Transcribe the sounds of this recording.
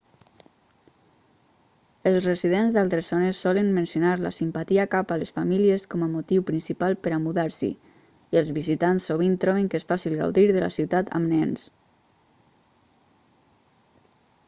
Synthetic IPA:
əlˠzrəziðenzðalˠt̪ɾəzɔnəsːɔlənmənsjonaɾlə̰simpat̪iakapaləsfamiliəskɔməmot̪iwpɾinsipalˠpəɾamuðaɾsḭ | iəlˠzβizit̪ansːoβint̪ɾɔβəŋkesfasilˠɣa̰wðiɾðələ̰siwt̪at̪ʰə̰mnɛns

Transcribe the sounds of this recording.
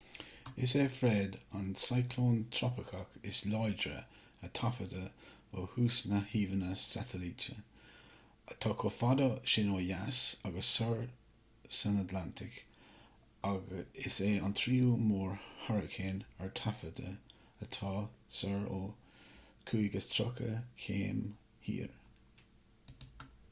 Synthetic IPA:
ɪseːfɹeːdansajkʰloːnt̪ʰɾɔpɪkʰakɪslɔjdɾə̰ | ət̪ʰafədə | ohuːsnəhiːvənəsatʰəlitə | t̪ʰɑːkʰofadəʃɪnoːjasaɡəsːəɹ | sənətdlantʰɪk | aɡɪseːant̪ʰɾiːumoːɹhaɹəkʰeːnɛɹtʰafədə̰ | ət̪ʰɑːsəɹo | kʰuːɡəst̪ʰɾʊkʰəkʰḛːm | hḭːɹ

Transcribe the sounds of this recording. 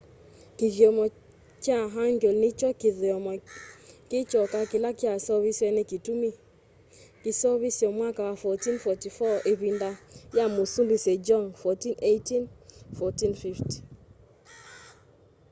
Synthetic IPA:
kivjɔmɔ | kjaɦaŋɡolnit͡ʃɔkɪðɪɔmɔkɪt͡ʃɔkakɪlakjasavisjɛnɛkitumi | kɪsaβisjɔmwakawafɔtinfɔtifɔʔeβindajamosumbised͡ʒɔnfɔtinetinfɔtinfifti̥

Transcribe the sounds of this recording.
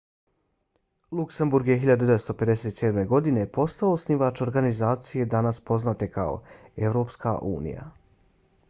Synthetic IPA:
lˠuksembuɾɡje̞ɦiʎad̪ud̪eʋet̪st̪o̞pe̞d̪e̞set̪seːd̪me̞ɡo̞d̪ine̞po̞st̪aosniʋat͡ʃo̞ɾɡanizaːt̪sije̞d̪anaspo̞znat̪e̞kao̞̰e̞ʋɾo̞ːpska̰ʔṵːnḭja̰

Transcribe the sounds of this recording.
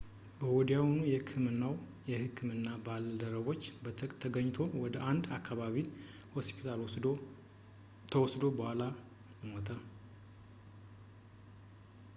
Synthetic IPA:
bəwod̪ijawonujɛhɨkʰːɨmɨnːaw | jɛhɨkʰːɨmɨnːabald̪əɾəβo̞t͡ʃːbt̪ʰəɡəɲːt̪ʰo̞wɔd̪əʔand̪akːaβaβi | ho̞spʰi̥t̪ʰal | t̪ʰəwɔsd̪o̞bəhʷala | jəmot̪ʰə

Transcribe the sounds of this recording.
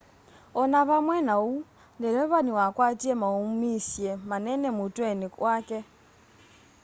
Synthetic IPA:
ɔnaβamwɛnau | ndɛɾɛβaɲuakwatiemaumisjemanɛnemutweniwake

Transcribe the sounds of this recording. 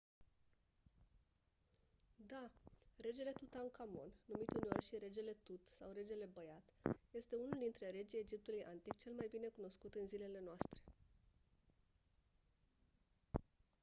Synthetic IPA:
d̪are̞d͡ʒe̞le̞t̪ut̪aŋkamo̞̰nnːumit̪uneorʲʃiɾe̞d͡ʒe̞le̞t̪ut̪sawɾe̞d͡ʒe̞le̞bəjat̪je̞st̪e̞unuld̪int̪ɾe̞ɾe̞d͡ʒijed͡ʒip̚t̪ulujʔa̰nt̪ik̚t͡ʃe̞lmajbine̞kuno̞skut̪ɨnzile̞le̞noast̪ɾe̞̥

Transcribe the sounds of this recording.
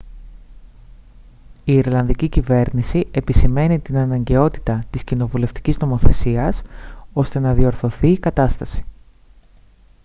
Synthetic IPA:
iːɾlɐnðicicive̞ɾnisiʔe̞pisime̞nit̪inɐnɐɲɟe̞o̞t̪i̥t̪ɐt̪iscino̞vule̞ft̪i̥cizno̞mo̞θe̞siɐso̞st̪e̞nɐðio̞ɾθo̞θiːkɐt̪ɐst̪ɐsi̥

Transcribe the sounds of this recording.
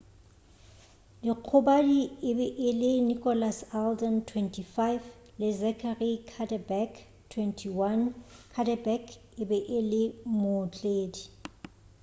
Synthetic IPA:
diq͡χʰʊbadiɪbɛʔɪlɪnikʼɔlasaldantʰwɛntʰifajf | lɪzɛkʰarikʰadabɛk | tʰwɛntʰiwankʰadabɛkʰɪbɛʔɪlɪmʊt͡ɬʼeːdi

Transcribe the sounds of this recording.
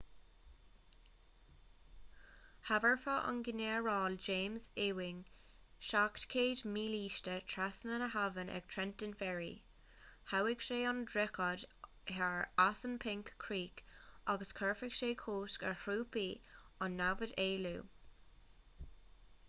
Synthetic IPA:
havəɹfəʔa̰nɡɪneɹɑːld͡ʒeːmzɪwɪŋ | ʃaktkʰeːdmiːliːʃtətʰɹasənənəɦavənʔɛ̰ɡ̥̚tʰɹɛntənfɛɹḭ | hawɪɡʃeːɔndɹɛkɔd | hɛɹasənpʰɪŋkʰːɹiːkaɡəskʰɜɹfəɡʃeːkʰoːskə̰ɹhɾuːpiːɑnːavədeːluː

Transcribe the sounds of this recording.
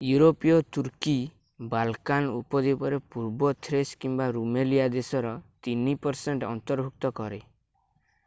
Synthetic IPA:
juɾopijɔt̪uɾki | balkanupɔd̪epɔɾepuɾbɔt̪ʰɾeskimbaɾumelijad̪esɔɾɔt̪inipɔɾseɳʈɔ̰nt̪ɔɾbʱuk̚t̪ɔkɔɾe

